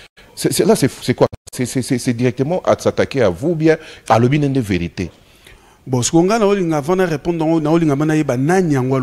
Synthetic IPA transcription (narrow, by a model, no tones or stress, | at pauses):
sɛsɛlasɛsɛkwasɛsɛsɛsɛdiʁɛk̚t̪əmɑ̃ʔa̰satakeavubjɛ̃alobinɛ̃ndeveʁitḛ | bɔ̃si̥koŋɡanaoliŋɡavãnaʁepɔ̃nd̪anaoliŋɡamãnajebanaɲiaŋɡoa